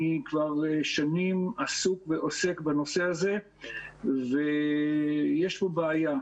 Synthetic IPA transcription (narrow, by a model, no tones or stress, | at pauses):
ikvaʁʃanimasukveʔo̞se̞kbano̞se̞haze̞ | ve | je̞ʃpobeaja